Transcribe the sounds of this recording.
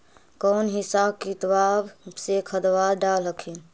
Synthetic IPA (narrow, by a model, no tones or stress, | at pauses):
kɔnɦisab̚kit̪wabsekʰəd̪ʋad̪ɖalɦəkʰin